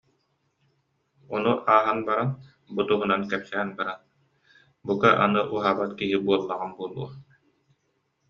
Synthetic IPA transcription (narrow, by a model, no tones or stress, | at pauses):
ɔnuʔaːɦanbaɾan | but̪uɦunankɛpsɛɛnbaɾan | bukaʔa̰nɯʔuɦaːbat̪kiɦibuɔlˠːaʁanbuɔlˠuɐ